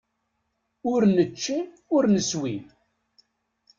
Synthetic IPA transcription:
ʊɾnət͡ʃːi | ʊɾnəswin

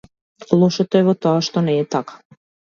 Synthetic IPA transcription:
lˠoʃet̪oevot̪oaʃt̪onɛːt̪akḁ

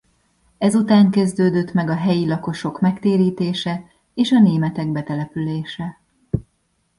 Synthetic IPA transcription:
ɛzut̪aːŋkɛzd̪øːd̪ø̞t̪mɛɡɒɦɛjilɒko̞ʃo̞kmɛkt̪eːɾiːt̪eːʃɛ | eːʃɒneːmɛt̪ɛɡbɛt̪ɛlɛpyleːʃɛ

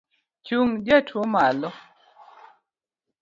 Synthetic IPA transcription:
t͡ʃuŋd͡ʒatʰwomalɔ

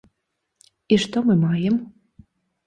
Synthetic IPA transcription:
iʂt̪omɨmɑjem

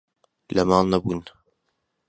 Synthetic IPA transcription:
lɐmɑːlˠnɐbuːn

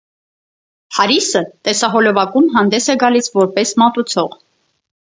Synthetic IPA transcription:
hɑɾisət̪ɛsɑɦɔlɔvɑkumɦɑnd̪ɛsɛɡɑlisvɔɾpɛsmɑt̪ut͡sʰɔʁ

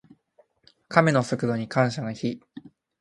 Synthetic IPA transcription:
kame̞no̞sɨkɯ̟d̪o̞ɲ̟ikãɰ̃ɕaɡaçi

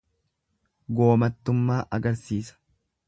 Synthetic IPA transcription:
ɡo̞ːmɐt̪ːʊmːaːʔɐɡɐɾsiːsɐ̥

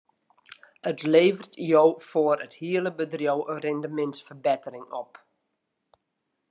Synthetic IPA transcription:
ətleːvərtjowfoːərəthiələbədrjowʔərɪndəmɪnsfərbɛtərɪŋɔp

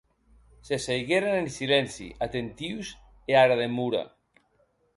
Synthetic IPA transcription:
sesejɣeɾanensilɛnsḭʔat̪ent̪iws | eaɾaðemuɾa̰

